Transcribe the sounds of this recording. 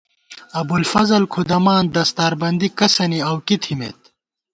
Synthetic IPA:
ɐbulfɐzɐlkʰud̪ɐmaːnd̪ɐst̪aːɾbɐnd̪ikɐsɐniɐwkit̪ʰimḛːt̪̚

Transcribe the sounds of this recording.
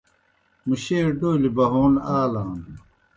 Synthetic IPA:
muɕeːɖoːlibɐɦoːnaːlaːn

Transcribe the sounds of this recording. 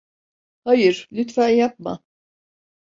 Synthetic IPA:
hajɯɾlʲyt̪fæjap̚ma̰

